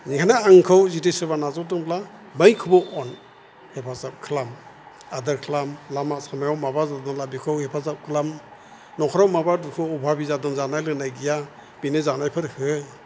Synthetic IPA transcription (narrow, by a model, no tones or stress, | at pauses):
nikʰanaːŋkʰɯwzitesɯbanazɔdɯŋbʰla | mɯjkʰɯbɔʔɔn | hepʰazap̚kʰlam | adɯɾkʰlamlamasamajawmabazadɔnlabikʰɯwhepʰazap̚kʰɯlam | nɔkʰɔɾawmabadukʰɯɔbʱabizadɯnzanajlɯnajɡija | binezanajpʰɯɾhɯ